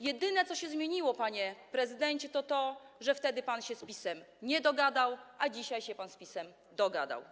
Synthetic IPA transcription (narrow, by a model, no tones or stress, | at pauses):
jɛd̪ɘnɛt̪sɔɕɛzmʲjeɲiwɔpaɲɛpɾɛzɘd̪ɛɲt͡ɕɛt̪ɔt̪ɔʐɛft̪ɛd̪ɘpanɕɛspʲisɛm | ɲɛd̪ɔɡad̪awʔad͡ʑiɕajɕɛpanspʲisɛm | d̪ɔɡa̰d̪a̰w